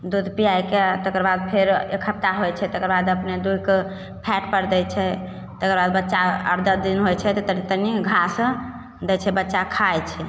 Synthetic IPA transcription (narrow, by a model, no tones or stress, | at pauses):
d̪ud̪ʱpijajket̪əkəɾbad̪̚pʰeɾekʰəp̚t̪aɦojt͡ʃʰɛt̪əkəɾbad̪əpned̪uj̪ke | pʰɛʈpəɾd̪ɛt͡ʃʰɛ | t̪əkəɾbad̪bətːʃaə̰ɾd̪əd̪inɦojt͡ʃʰɛt̪ɔt̪ənit̪əniɡʱas | d̪ɛt͡ʃʰɛbətːʃakʰajt͡ʃʰɛ